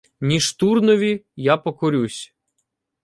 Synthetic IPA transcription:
nʲiʃt̪urnɔʋʲijapɔkɔɾʲusʲ

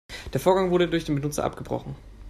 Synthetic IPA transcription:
d̥eːɐfoːɐɡaŋvʊɐɾədʊɐçd̥eːnbənʊt͡sɐ̰ʔa̰p̚ɡ̥əbʁɔ̰χn̩

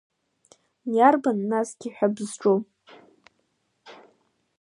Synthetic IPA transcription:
jarbanːasɡʲiħʷᶣabzʈ͡ʂʼo

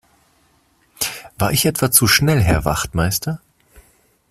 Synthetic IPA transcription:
v̥aːɐɪçʔɛtv̥at͡suʃnɛlɦɛɐva̰χtmaɪstɐ

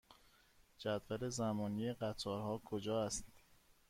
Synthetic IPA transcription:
d͡ʒæd̪væle̞zæmɒːnijeɢæt̪ʰɒːɾɦɒːkʰod͡ʒɒːæst̪

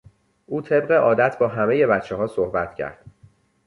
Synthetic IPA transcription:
ʔuːt̪ʰe̞b̚ɢe̞ʔɒːd̪æt̪ʰbɒːɦæmeje̞bæt̪t͡ʃʰːeɦɒːsohbæt̪ʰcʰæ̰ɾd̪̥

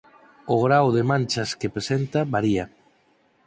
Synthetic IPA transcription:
ʊɣɾawðemãnʲt͡ʃaskepɾesent̪aβaɾia

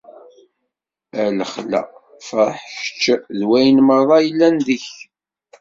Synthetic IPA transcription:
æləχlæ̰ | fəɾˤħʃə̥t͡ʃːðwæjənməɾˤðˤɑjəlːænðəç

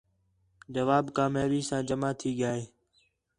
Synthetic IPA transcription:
d͡ʒəʋaːbkaːmjaːʋiːsãːd͡ʒəmaːt̪ʰiːɠɪjaːɦeː

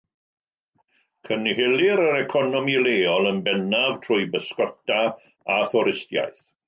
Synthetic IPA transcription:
kʰənɦɪlɪɾəɾɛkʰɔnɔmileːɔlˠənbɛnav̥tʰrʊɨbəskɔtʰa | aθɔɾɪstja̰jθ

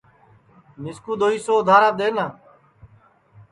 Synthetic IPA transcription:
nɪskuːd̪oːiːsoːd̪ʱaːɾaːɗ̪eːnãː

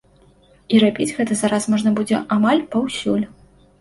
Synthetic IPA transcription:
iɾabʲid͡zʲɣɛt̪ɐzaɾasmɔʐnɐbud͡zʲɛ̰ʔamalʲpawsʲulʲ

